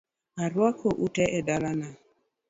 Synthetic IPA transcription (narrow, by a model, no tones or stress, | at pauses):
aɾwakʰoʔutɛʔɛdalana